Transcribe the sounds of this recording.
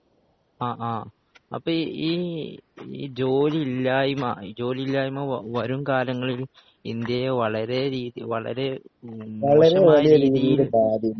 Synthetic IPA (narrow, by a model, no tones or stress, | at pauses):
aːʔaː | ɐ̰pːoiː | ḭd͡ʑoːliilːaːjuma̰d͡ʑo̞ːlilːaːjumaʋɐɾumkaːɾɐŋːɐɭil | ind̪jɐʋɐɭɐɾe̞ɾiːðijʋɐ̰ɭɐ̰ɾe̞ | ʋɐɭɐɾeʋɐlijɐɾiːðiijuɽebaːd̪jɐm